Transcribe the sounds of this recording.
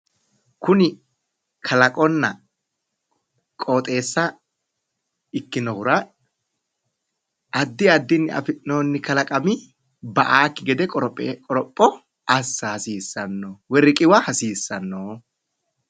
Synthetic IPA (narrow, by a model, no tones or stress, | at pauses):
kʊnɪ | kʰɐlɐkʼɔnːɐ | kʼo̞ːt̪ʼe̞ːsːɐ | ɪkːɪnɔhʊɾɐ | ɐd̪ːɪɐd̪ːɪnːɪɐ̰fɪnoːnːɪkɐlɐkʼɐmɪ | bɐʔaːkːɪɡɛd̪ɛkʼɔkʼɔɾɔpʼːɔ | ʔɐsːɐhɐsiːsːɐnːowɛɾɪkʼɪwɐhɐsiːsːɐnːoː